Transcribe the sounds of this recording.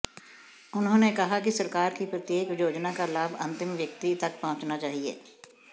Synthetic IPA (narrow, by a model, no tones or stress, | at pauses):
ʊnɦõːnekɐɦakisɐɾkaːɾkipɾət̪jeːkjoːd͡ʒnakalaːbʱɐ̰̃nt̪ɪ̃mʋjɐk̚t̪it̪ɐk̚pɐɦʊ̃t͡ʃnat͡ʃaːɦiḛː